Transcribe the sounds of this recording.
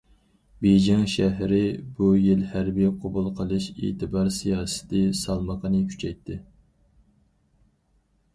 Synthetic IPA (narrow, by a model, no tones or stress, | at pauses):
bed͡ʒɪŋʃæɦɾɪbujilhæɾbijqʰobulˠqʰəlˠɨʃḛːt̪ʰɨbɑɾsijɑːsɨ̥t̪ʰɪsɑlˠməqʰənɨkʲʰy̥t͡ʃʰɛjt̪ʰːɪ